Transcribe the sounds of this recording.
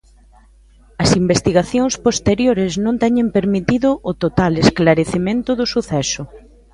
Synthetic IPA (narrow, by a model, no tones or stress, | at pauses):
ɐsimbest̪iɣaθjoŋspost̪eɾjoɾɪznõnt̪ɛɲẽmpeɾmit̪iðʊʔːt̪ot̪alesklaɾeθemẽnt̪ʊðʊsuθɛsʊ